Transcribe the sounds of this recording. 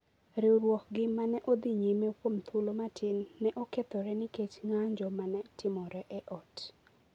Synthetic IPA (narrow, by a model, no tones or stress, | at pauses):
ɾɪɾwɔkɡɪmanɛʔod̪iɲemekwomt̪ʰulomatʰɪnːɛʔɔkɛt̪ɔɾɛnɪket͡ʃŋaɲd͡ʒɔmanɛtɪmɔɾɛʔɛʔɔt